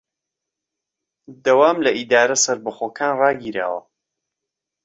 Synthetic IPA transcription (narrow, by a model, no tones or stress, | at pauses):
d̪ɐwaːmlɐʔid̪aːɾɐsɐɾbɐχoːkʰaːnrɑːɡiːɾa̰ːwɐ̰